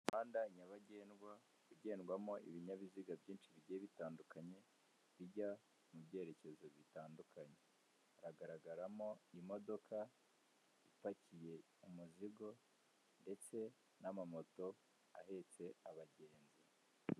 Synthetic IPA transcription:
maːndaiɲaβaɟe̞ːnɡwa | uɟe̞ːnɡwamo̞ʔḭβiɲaβiziɡabɟiːnʃiβiɟeːβitaːndukaɲe̞ | βiɟa | mubɟe̞ːɾe̞ce̞zo̞βitaːndukʰaɲe̞ | ɾaɡaɾaɡaɾamo̞imo̞do̞kʰa | ifacije̞ | umuziɡo̞ | nde̞t͡se̞ | namamo̞to̞ | ahe̞t͡se̞aβaɟe̞ːnzi

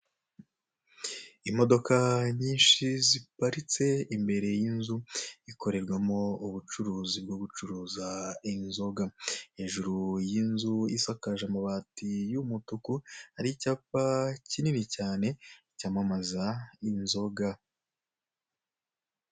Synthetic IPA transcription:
imo̞do̞kaɲiːnʃizipaɾit͡se̞imbe̞ɾe̞jinzuiko̞ɾe̞ɾɡwamo̞uβut͡ʃuɾuːzib̚ɡo̞ɡut͡ʃuɾuːzainzo̞ɡaheʒuɾujinzujisakaʒamaβaːtijumutukuhaɾicapacininicaːne̞icamamazainzo̞ɡa

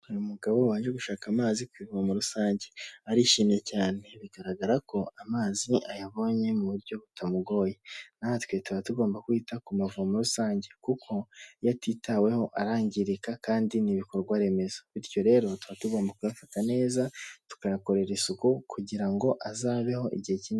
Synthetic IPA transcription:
uɾimuɡaβo̞waːʒeɡuʃaːkamaːzikwiːvuamuɾusaːɲɟe̞aɾiʃiːne̞caːne̞βiɡaɾaɡaɾako̞amaːziʔajaβo̞ːɲe̞muβuɾɟo̞βutʰamuɡo̞ːjenahatwe̞tuβatuɡo̞ːmbakwiːtakumavuamuɾusaːɲɟe̞kukʰo̞jatitawe̞ho̞ʔaɾaːɲɟiɾikakaːndiniβikoɾɡwaɾe̞me̞zḁβiɾjo̞ɾe̞ːɾo̞tuβatuɡo̞ːmbakujafatane̞ːzatu̥kaɾako̞ɾe̞ɾisukukʰuɟiɾaŋɡo̞ʔazaːβe̞ho̞ʔḭɟihe̞cin

